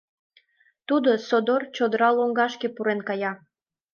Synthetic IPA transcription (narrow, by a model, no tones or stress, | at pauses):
t̪ud̪osod̪ort͡ɕod̪əɾɑloŋɡɑʃkepuɾenkɑjɑ